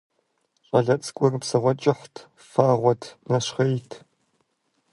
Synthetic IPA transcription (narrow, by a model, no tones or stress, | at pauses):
ɕʼɐɮɐt͡sʼkʷʼɔrɨpsɐʁʷɔt͡ʃʼɪχʷtʰ | faːʁʷɔtʰnɐɕχɐjtʰ